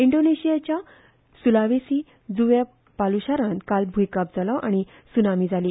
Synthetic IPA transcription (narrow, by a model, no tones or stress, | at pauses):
iɳɖoneɕijat͡ɕja | sulaʋesiː | d͡zuʋja | paluɕaɾãnkalbʱujkap̚d͡zʱalɔʔaɽ̃i | sunamiːd͡zʱaliː